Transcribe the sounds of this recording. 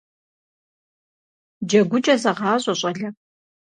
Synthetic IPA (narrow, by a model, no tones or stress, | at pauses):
d͡ʒɐɡʷʊt͡ʃʼɐzɐʁɑːɕʼɐɕʼɐɮɐ